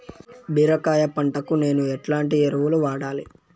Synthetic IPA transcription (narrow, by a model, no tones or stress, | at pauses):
biːɾɐkaːjɐpɐɳʈɐkune̞ːnuɛʈlaːɳʈieɾɐʋuluʋaːɽaːli